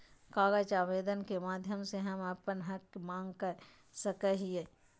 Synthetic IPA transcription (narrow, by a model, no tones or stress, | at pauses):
kaːɡət͡ʃaːʋeːd̪ənkemaːd̪ʱjəmseɦɐmɐpənɦɐkmãːŋɡkəɾ | səkəɦieː